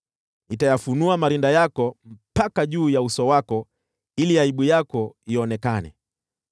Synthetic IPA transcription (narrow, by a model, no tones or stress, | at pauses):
itajafunuamaɾindajakɔm̩pakaʄuːjausɔwakɔ | iliaiɓujakɔiɔnɛkanɛ̰